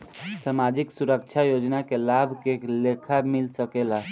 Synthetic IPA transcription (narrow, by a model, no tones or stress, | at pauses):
samad͡ʒiksuɾəkt͡ʃʰajod͡ʒnakelabʱkelekʰamilsəkela